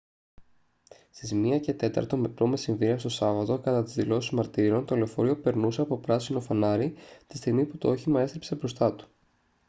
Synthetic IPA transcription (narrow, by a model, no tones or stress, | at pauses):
st̪izmiɐce̞t̪e̞t̪ɐ̰ɾt̪o̞mepɾo̞mesiɱviɾiɐst̪o̞sɐvɐt̪o̞kɐt̪ɐt̪izðilo̞sizmɐɾt̪iɾo̞nt̪o̞le̞ofo̞ɾio̞pe̞ɾnuseɐpopɾɐsino̞fɐnɐɾit̪ist̪iɣmiput̪o̞o̞çimɐe̞st̪ɾepse̞bɾo̞st̪ɐt̪u̥